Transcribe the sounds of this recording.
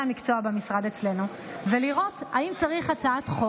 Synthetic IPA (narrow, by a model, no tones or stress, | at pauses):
amikt͡so̞abemisʁad̪et͡sle̞nu | veliʁo̞taimt͡saʁiχat͡saatχo